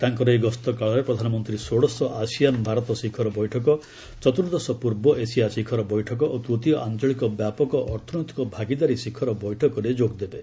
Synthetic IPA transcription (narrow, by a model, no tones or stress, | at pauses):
t̪aŋkɔɾɔeɡɔst̪ɔkaɭɔɾepɾɔd̪ʱanɔmɔnt̪ɾisoɽɔsɔʔasijanbʱaɾɔt̪ɔsikʰɔɾɔbɔjʈʰɔkɔ | t͡ʃɔt̪uɾd̪ɔsɔpuɾbɔʔesijasikʰɔɾɔbɔjʈʰɔkɔʔot̪ɾut̪iɔʔant͡ʃɔɭikɔbjapɔkɔʔɔɾt̪ʰɔnɔt̪i̥kɔbʱaɡid̪aɾisikʰɔɾɔbɔjʈʰɔkɔɾed͡ʒoɡd̪ebe